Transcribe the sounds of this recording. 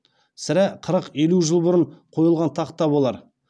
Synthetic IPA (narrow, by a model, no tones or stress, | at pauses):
sɪɾæqʰəɾəqe̞luʒəlˠbʊɾəɴqʰo̞jəlˠʁɑnt̪ʰɑqt̪ːɑbo̞lˠɑɾ